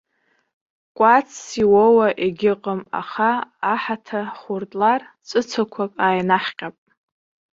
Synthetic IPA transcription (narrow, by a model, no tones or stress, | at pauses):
kʷʼat͡sʰːiwowaʔeɡʲɪqʼəma̰χaːħatʰaχurtʼlar | t͡sʷʼɨt͡sʰakʷʰakʼaːjnaħqʲʼapʼ